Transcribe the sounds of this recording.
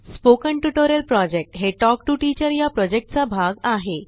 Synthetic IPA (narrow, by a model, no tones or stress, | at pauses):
spokəɳʈuʈoɾəlpɾɔd͡ʑek̚ʈɦeʈɔk̚ʈuʈit͡ɕəɾjapɾɔd͡ʑek̚ʈ̚t͡sabʱaɡaɦe